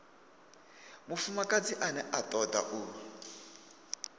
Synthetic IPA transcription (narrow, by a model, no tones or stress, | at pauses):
mufumakʼad͡ziʔanɛʔatʼɔda̰ʔu